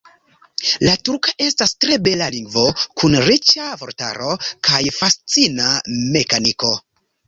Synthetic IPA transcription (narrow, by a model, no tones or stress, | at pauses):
latuɾkaʔe̞stastɾe̞be̞laliŋɡvo̞kʰunɾit͡ʃavo̞̰ɾta̰ɾo̞kajfast͡siname̞kaniko̞